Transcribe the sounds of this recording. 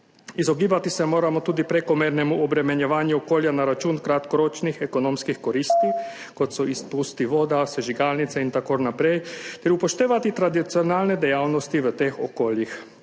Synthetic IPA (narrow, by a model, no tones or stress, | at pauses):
izɔɡiːbat̪isɛmoːɾamɔt̪uːd̪ipɾɛkɔmeːɾnɛmuɔbɾɛmɛnjɛʋaːnjuɔkoːljanaɾat͡ʃuːnkɾat̪kɔɾoːt͡ʃnixɛkɔnoːmskixkɔɾiːst̪i | kɔt̪sɔispust̪iʋoːd̪asɛʒiɡaːlnit̪sɛint̪akoɾnapɾɛjt̪ɛɾupɔʃt̪eːʋat̪it̪ɾad̪it̪siɔnaːlnɛd̪ɛjaːwnɔst̪iʋət̪exɔ̰koːljix